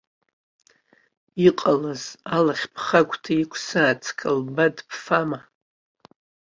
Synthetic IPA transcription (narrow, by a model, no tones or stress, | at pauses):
iqʼalazalaχʲpʰχakʷʰʼtʰaikʷʰsaːt͡sʰkʰalbadpʰfama